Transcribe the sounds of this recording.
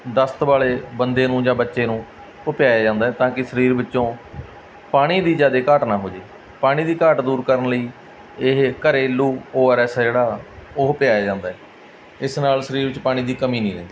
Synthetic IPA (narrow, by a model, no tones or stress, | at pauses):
d̪əst̪ʋaːleːbənd̪eːnũːd͡ʒãːbətːʃeːnũː | ʊpjaːjaːd͡ʒãːnd̪aːɛːt̪ãːkɪsəɾiːɾbɪtːʃõː | paːɽ̃iːd̪iːd͡ʒaːd̪eːkaʈnaːɦoːd͡ʒeː | paːɽ̃ĩːd̪iːkaːʈd̪uːɾkəɾənləiː | ɪɦkəɾeːluːoːɛːɾɛːsd͡ʒeːɽaːoːɦʊpjaːjaːd͡ʒãːnd̪aːɛː | ɪsnaːlsəɾiːɾʋɪt͡ʃpaːɽ̃iːd̪iːkəmĩːnĩːɾɛ̰̃ːnd̪iː